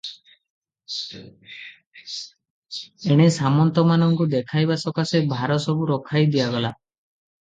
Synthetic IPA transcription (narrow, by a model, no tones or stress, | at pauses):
eɽ̃esamɔnt̪ɔmanɔŋkud̪ekʰajbasɔkasebʱaɾɔsɔbuɾɔkʰajd̪ijaɡɔla